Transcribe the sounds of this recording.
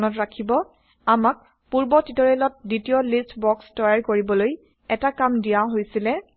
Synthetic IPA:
nɔtɹakʰibɔ | amak̚ | puɹbɔtitɔɹɛlɔt̚ditijɔlistʰbɔkstɔjaɹkoɹibɔloj | ɛtakamdijãɦojsilɛ

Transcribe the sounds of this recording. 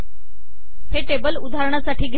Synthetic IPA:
heʈebəlud̪ʱaɾɳ̃asaʈʰiːɡʱ

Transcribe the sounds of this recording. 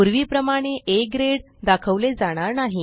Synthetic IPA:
uɾʋiːpɾəmaɽ̃eʔekɾeɽ | d̪akʰəʋled͡zaɽ̃aɾnaɦi

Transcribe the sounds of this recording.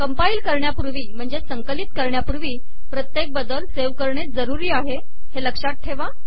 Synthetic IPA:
kəmpaiːlkəɾɳjapuɾʋiːm̤əɳd͡zesəŋkəlit̪kəɾɳjapuɾʋiː | pɾət̪jek̚bəd̪əlseʋkəɾɳet͡s̚d͡zəɾuɾiːaɦe | heləkʂat̪̚ʈʰeʋa

